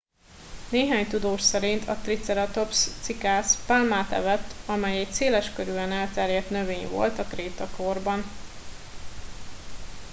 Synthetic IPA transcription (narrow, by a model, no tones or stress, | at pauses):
neːɦaːɲt̪ud̪oːʃsɛɾint̪ʰɒ̰t̪rit̪sɛɾɒt̪o̞pst̪sikaːspalmaːt̪ɛ̰vɛt̪ːɒmɛjɛc̚seːlɛʃkøɾyɛnɛlt̪ɛrjɛt̪nøveːɲvo̞̰lt̪ɒkreːt̪ɒko̞rbɒn